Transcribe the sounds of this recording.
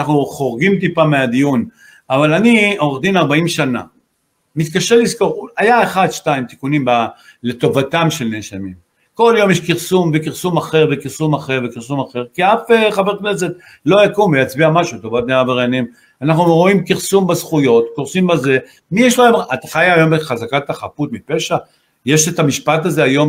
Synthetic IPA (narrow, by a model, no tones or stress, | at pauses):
anaχnuχo̞ʁɡimt̪̬ipamead̪ijun | avalanioʁd̪inaʁbaimʃana̰ | mit̪kaʃe̞lisko̞ʁajaeχadʃtaimt̪i̥kunimba | le̞t̪o̞vatamʃe̞lneʃamim | ko̞ljo̞mjeʃkiʁsumvekiʁsumaχe̞ʁvekiʁsumaχe̞ʁvekiʁsumaχe̞ʁkiafeχave̞ʁkne̞s̬e̞t̪ | lo̞jakumvejat͡sbiamaʃut̪o̞vat̪̚neʁaveʁanim | anaχnuʁo̞imkiʁsumbazχujo̞t̪koʁsimbaze̞ | mijeʃlojamat̪aχajaajo̞mbeχazakat̪aχaput̪mipeʃa | jeʃetamiʃpataze̞ajo̞m